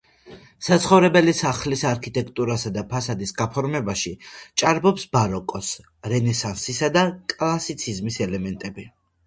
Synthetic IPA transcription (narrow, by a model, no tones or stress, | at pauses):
sat̪sʰχɔvɾɛbɛlisaχlisaɾkʰit̪ʼɛkʰt̪ʼuɾasad̪apʰasad̪isɡapʰɔɾmɛbaʃit͡ʃʼaɾbɔpsbaɾɔkʼɔs | ɾɛnɛsansisad̪akʼlˠasit̪sʰizmisɛlɛmɛnt̪ʼɛbi